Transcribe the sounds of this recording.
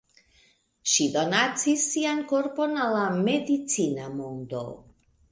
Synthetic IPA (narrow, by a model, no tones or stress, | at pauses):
ʃido̞nat͡sisːianko̞ɾpo̞nalame̞dit͡sinamondo̰